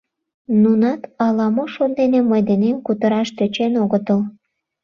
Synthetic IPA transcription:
nunɑt̪ɑlɑmoʃond̪eneməjd̪enemkut̪əɾɑʃt̪øt͡ɕenoɣət̪əl

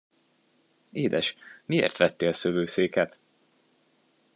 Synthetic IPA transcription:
eːd̪ɛʃmiḛːrt̪ʋɛt̪ːeːlsøvøːseːkɛt̪

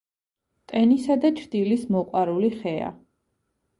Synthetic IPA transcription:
t̪ʼɛnisad̪at͡ʃʰɾd̪̥ilismɔqʼwaɾuliχɛa̰

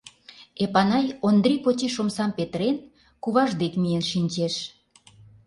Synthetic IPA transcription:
epɑnɑjond̪ɾipot͡ɕeʃomsɑmpet̪ɾen | kuβɑʒd̪ekmienʃinʲt͡ɕeʃ

